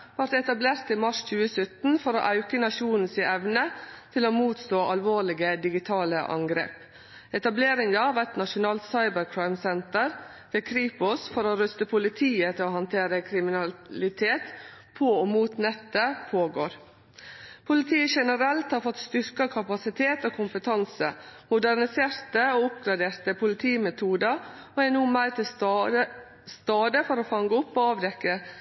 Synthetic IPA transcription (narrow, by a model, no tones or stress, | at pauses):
ʋɑɾt̪ɛt̪ɑbleːɾt̪iːmɑʂc͡çʉːəsœt̪n̩fɔɾo̰ʔɑʉkənɑʂuːnn̩sɪɛʋnət̪ʰɪloːmuːt̪st̪oːʔɑlʋoːlɪɡəd̪ɪɡɪt̪ʰɑːləʔɑ̰ŋɡɾḛːp | ɛt̪ɑbleːɾɪŋd̪ɑʋæt̪nɑʂʊnɑːlt̪sɑɪbəɾkʰɾɑɪmsɛnt̪əɾ | ʋeːkʰɾiːpʊsfɔɾoːɾʉst̪əpʰʊlɪt̪ʰiːət̪ʰɪoːhɑnt̪ʰeːɾəkʰɾɪmɪnɑlɪt̪ʰeːt̪pʰoomuːt̪nɛt̪ːəpʰoːɡoːɾ | pʰʊlɪt̪ʰiːəʃɛnəɾɛlt̪hɑɾfɔt̪st̪ʏɾkɑkʰɑpɑsɪt̪ʰeːt̪oːkʰʊmpət̪ʰɑnsə̰mʊd̪æɾnɪseːɾt̪əoːʊpɡɾɑd̪eːɾt̪əpʰʊlɪt̪ʰiːmɛt̪ʰuːd̪ə | oːænuːmæɪɾt̪ʰɪ | st̪ɑːd̪əfɔɾoːfɑŋɡəʊpːoːɑːʋd̪ɛkːə